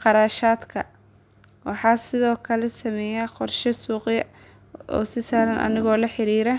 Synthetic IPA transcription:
qɑɾaːʃaːd̪kʰɐ | wɑħɑːsɪðɔːkʰɐlɛsɐmɛjaqɔrʃɐsuːqjɐ | ʔɔ̰ːsɪsaːɾɐnʔɐ̰nɪɣɔːlɐħɪɾiːɾɐ

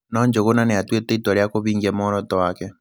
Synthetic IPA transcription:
nɔɲd͡ʒoɣonaneatwetɛitwaɾjakoβiːŋɡiamɔɾɔtɔwakɛ

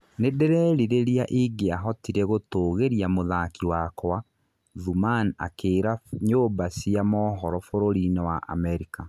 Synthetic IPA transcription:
nedɛɾɛɾiɾeɾiaʔiɡeaɦɔtiɾeɣotoːɣeɾiamoðakiwakwa | ðumana̰keːɾaɲoːbasiamɔːɦɔɾɔfoɾoɾinewaʔa̰mɛɾika

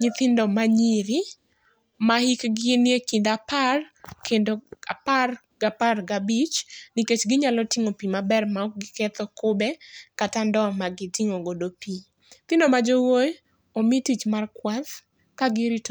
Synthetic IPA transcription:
ɲɪt̪ɪndɔmaɲiɾi | mahikɡɪnjekɪndaparkendoa̰par | ɡaparɡabit͡ʃniket͡ʃɡɪɲalɔtɪŋopimabɛrmaɔk̚ɡɪket̪ɔkʊbɛkatandɔmaɡɪtɪŋoɡodopi | t̪ɪndomad͡ʒowoj | omitit͡ʃmarkwat | kaɡɪɾit

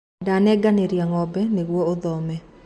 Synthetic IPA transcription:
danɛɡaneɾjaŋɔbɛneɣwɔoðɔmɛ

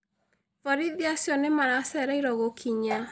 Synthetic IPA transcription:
vɔɾiðiasjɔnemaɾasɛɾaiɾɔɣokʰiɲa

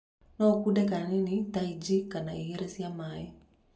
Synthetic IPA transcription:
nɔkudɛkaaninitaid͡ʒikːanaijɛɾɛsiamajɛ

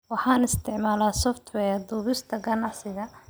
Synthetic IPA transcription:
wɑħɑːnɪst̪ʰɪʕmaːlaːsɔft̪ʰwɛːd̪uːβɪst̪ʰɐɡɐnɑʕsɪɣɐ

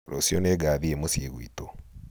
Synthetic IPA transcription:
ɾosioneɡaːðiemosjeɣwḭːto

